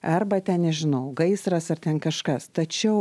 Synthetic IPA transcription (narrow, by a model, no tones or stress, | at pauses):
ɐrbɐt̪ʲɛnnʲɛʒʲɪnɐʊɡɐɪsɾɐsɐrt̪ʲɛnkɐʃkɐst̪ɐt͡ʃʲɛʊ